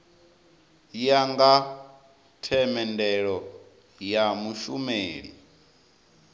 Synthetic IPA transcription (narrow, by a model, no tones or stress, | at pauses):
jaŋɡa | tʰɛmɛndɛɺɔ | jamuʃumeːɺḭ